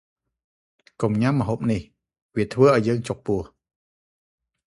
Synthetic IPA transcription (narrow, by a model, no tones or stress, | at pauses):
kumɲamːəɦoːp̚nih | ʋiət̪ʰʋəːʔaɔjːəːŋt͡ɕok̚puəh